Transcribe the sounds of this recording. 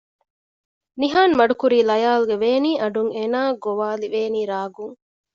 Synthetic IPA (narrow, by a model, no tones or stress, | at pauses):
niɦaːnmɐɖukuɾiːlɐjaːluɡeʋeːniːʔɐɖuŋeːnaːɡoʋaːliʋeːniːɾaːɡuŋ